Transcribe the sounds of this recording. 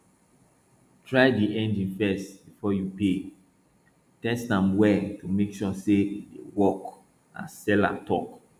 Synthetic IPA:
tʰɹaɪdiʔɛ̃ndĩnfɛstbifɔjupe | tɛstãmwɛtumekʃɔsedḛwɔk | ã̰sɛla̰tʰɔ̰k

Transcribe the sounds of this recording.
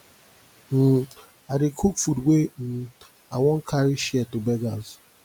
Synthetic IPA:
n̩ | adɪkʰukfudwʷen̩ | aŋʷɔŋ̩kʰaɾɪʃiɛtobɛɡaz

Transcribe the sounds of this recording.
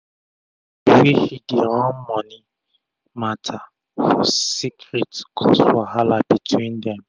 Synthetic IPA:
biwihidiɾɔ̃mmɔni | matʰa | fɔsikɾitkʰɔsfɔɦalabitʰwĩndɛm

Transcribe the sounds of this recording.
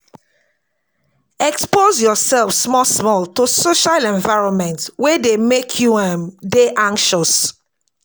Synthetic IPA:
ɛkspozjɔsɛlfsmɔsmɔltusoʃalɛ̃ɱvaɪɹɔ̃nmɛ̃ntswedemekʰjuãmdeʔãŋkʃɔs

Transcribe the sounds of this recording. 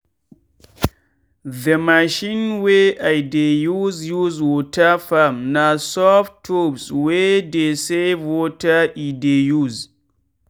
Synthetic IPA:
ðəmaʃĩnweajdejuzjuzwotafamnasɔftopswedesevwotaidejuz

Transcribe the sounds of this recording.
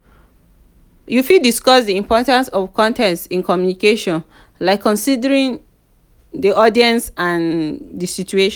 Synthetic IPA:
jufidiskɔsdiĩmpʰɔtãnsɔvkɔ̃ntɛ̃nssĩnkɔmjunikeʃɔ̃n | laɪkʰːɔ̃nsidəɹĩŋ | diʔɔdiɛ̃nsãndisit͡ʃueʃ

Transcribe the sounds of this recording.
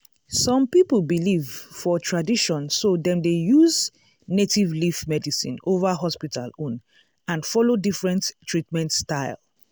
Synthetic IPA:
sɔ̃mpipl̩bilivfɔtʰɹadiʃɔ̃nsodɛ̃mdejuz | netivlifmɛdisḭ̃novaɦɔspita̰lõn | ãnfɔlodifɹɛ̃nttːɹitmɛ̃ntstaɪl

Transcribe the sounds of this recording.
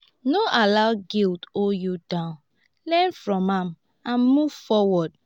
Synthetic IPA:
noʔalaʊɡiltojudãʊ̃n | lɛ̃nfɹɔ̃mãm | ãnmuv̥fɔwɔd

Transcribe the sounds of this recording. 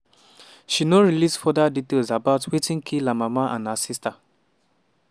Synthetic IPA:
ʃinoɹilisfɔdaditelzabaʊtʰwitĩŋkʰilamamaʔã̰nhasista

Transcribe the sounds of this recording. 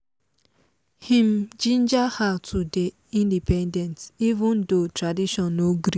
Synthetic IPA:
hĩmd͡ʒĩnd͡ʒahatʰude | ĩndipɛ̃ndɛ̃ntivũndotɾadiʃɔ̃nːoɡɾi

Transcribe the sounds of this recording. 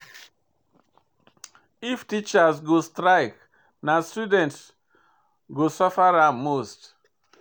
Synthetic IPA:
iftit͡ʃasɡostɾaɪk | nastudɛ̃nts | ɡosɔfaɾamːost

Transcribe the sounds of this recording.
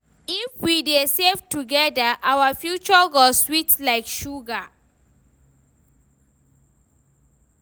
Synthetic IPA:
ifwidesevtuɡɛdaʔawafjut͡ʃəɡɔswitlaɪkʃuɡa

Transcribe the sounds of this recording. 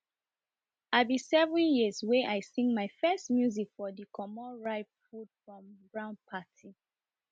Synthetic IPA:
aɪbĩsɛvɹĩjizweʔaɪsĩŋɡmaɪfɛstmjuzikfɔdikʰɔmɔɹaɪffud̥fɹɔ̃mbɹãʊ̃npʰatʰi

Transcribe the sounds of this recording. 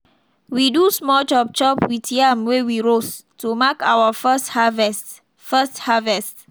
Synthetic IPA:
widusmɔd͡ʒɔp̚t͡ʃɔpwitijamwewiɹos | tumakawəfshavɛst | fɛsthavɛst

